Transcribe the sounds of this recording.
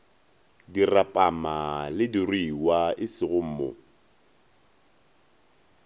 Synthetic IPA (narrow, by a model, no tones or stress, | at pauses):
dirapʼamalɪdirwiwaʔɪsɪɣʊm̩ːmo̰